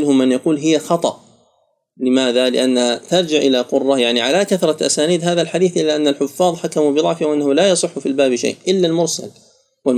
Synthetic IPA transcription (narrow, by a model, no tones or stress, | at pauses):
lhʊmːanjɑquːlɦɪjːaxɑt̪ˤɑ̰ʔ | lɪmaːðalɪʔanːt̪ɑɾˤd͡ʒɪʕʔɪlaqʊrˤːɑjaʕniʕalakaθɾˤɑʔa̰saːniːd̪ɦaːðalħad̪iːθʔɪlːaʔanːalħʊfːɑːðˤħakamubɪɨðˤɑʕfɪwʔanːahʊlajɑsˤɨħːʊfilbaːbʃa̰jːʔɪlːalmʊɾsa̰l | wal